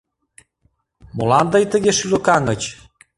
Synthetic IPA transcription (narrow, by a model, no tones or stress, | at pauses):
molɑnd̪ɤjt̪ə̆ɣeʃylokɑŋət͡ɕ